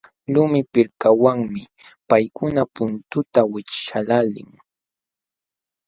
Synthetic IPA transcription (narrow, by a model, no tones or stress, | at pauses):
lʊmɪpɪɾkawaŋmɪ | pajkʊnapʊnt̪ʊt̪awɪt͡ʃʃalalɪ̰ŋ